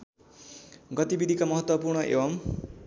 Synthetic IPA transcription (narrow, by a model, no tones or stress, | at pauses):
ɡʌt̪ibid̪ʱikamʌɦʌt̪wʌpurɳʌʔḛbʌm